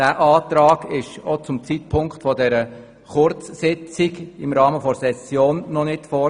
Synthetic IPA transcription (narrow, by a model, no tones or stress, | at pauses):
d̥æːʔɑːt̪ɾɑːɡɪʃɔt͡sʊmt͡siːt̚pʰʊŋkχtfɔdɛɾə | χʊɾt͡ssɪt͡sɪɡɪmɾɑːməfɔɾsɛsjoːnːɔnɪtfɔ